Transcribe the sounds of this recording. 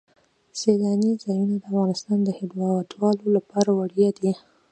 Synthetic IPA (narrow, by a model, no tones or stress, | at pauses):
selɑnizɑjunad̪əafɣɑnɪst̪ɑnd̪əhɪb̪lɑwat̪wɑlolapɑɾawaɽjɑd̪i